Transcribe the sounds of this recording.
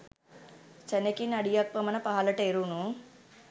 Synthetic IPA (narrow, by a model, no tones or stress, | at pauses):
t͡ʃɐnekinɐɽijɐk̚pɐmɐnɐpɐɦɐlɐʈeɾuːnu